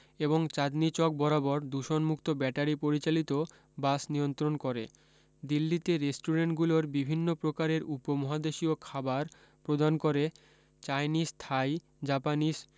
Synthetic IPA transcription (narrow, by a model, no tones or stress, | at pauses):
eboŋt͡ɕad̪nit͡ɕɔk̚bɔɾabɔɾd̪uʃonmukt̪obɛʈaɾipoɾit͡ɕalit̪o | basnijont̪ɾonkoɾḛ | d̪ilːit̪eɾesʈuɾeɳʈɡuloɾbibʱinːopɾokaɾeɾupomɔɦad̪eʃiokʰabaɾ | pɾod̪ankoɾe | t͡ɕajnist̪ʰaj | d͡ʑapaniʃ